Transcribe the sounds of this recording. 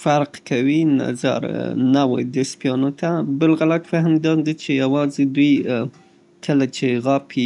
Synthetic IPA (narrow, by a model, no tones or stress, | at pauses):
faɾqkawina̰za̰ɾnawə̰jd̪əspjɑnot̪abəlɣalat̪fahmd̪ɑd̪it͡ʃejawɑzed̪uj | kʰəlat͡ʃeɣapʰi